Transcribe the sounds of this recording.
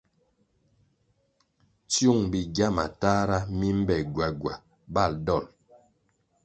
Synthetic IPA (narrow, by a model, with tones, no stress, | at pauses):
t͡sju˦˨ŋbi˨ɡja˦ma̰˨taː˦ɾa˦mi˦m̩˦bɛ˨ɡwa˨ɡwa˨ | ba˦˨ldɔ˦˨l